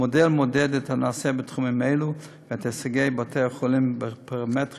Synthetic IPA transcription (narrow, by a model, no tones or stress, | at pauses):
odɛlmodɛdɛtʰhanaːsɛbɪtχumɪmeɪlu | vatʰsaɡeɪbatʰɛχolimbpʰaamɛt